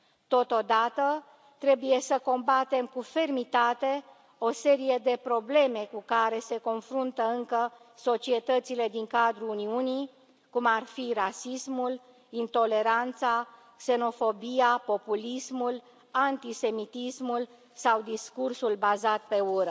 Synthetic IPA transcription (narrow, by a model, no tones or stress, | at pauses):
t̪o̞t̪o̞d̪at̪ə | t̪ɾe̞buje̞səko̞mbat̪e̞mkufe̞rmit̪at̪e̞ | o̞se̞ɾije̞d̪e̞pɾo̞ble̞me̞kukaɾe̞se̞ko̞nfɾunt̪əɨŋkə | so̞t͡ʃie̞t̪ət̪sile̞d̪iŋkad̪ɾuuniuni | kumarfirasismul | int̪o̞le̞ɾant̪sa | kse̞no̞fo̞bijapo̞pulismul | ant̪ise̞mit̪ismul | sawd̪iskursulbazat̪̚pe̞uɾə